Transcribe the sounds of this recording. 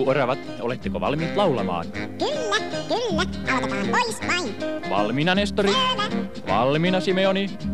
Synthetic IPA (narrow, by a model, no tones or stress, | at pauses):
uorɑʋɑt̪ | olet̪ːekoʋɑ̰lmiːt̪lɑulɑ̰mɑ̰ːnkylːækylːæʔɑlkɑpɑɑmpoispɑinʋɑ̰lminɑnest̪oril | ʋɑ̰lminɑsimeoni